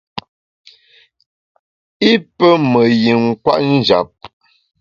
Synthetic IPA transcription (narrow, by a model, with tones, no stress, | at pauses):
i˦pə˦mə˨ji˨ŋ̩˨kwa̰˦ʔn̩˦˨d͡ʒa̰˨p̚